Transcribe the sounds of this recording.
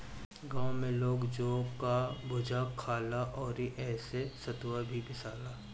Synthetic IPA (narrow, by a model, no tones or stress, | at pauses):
ɡãːõmẽloːɡd͡ʒoːkabʊd͡ʒʱakʰːaːlaʔɔːɾiʔɛːsesɐt̪wabʱibɪsaːlaː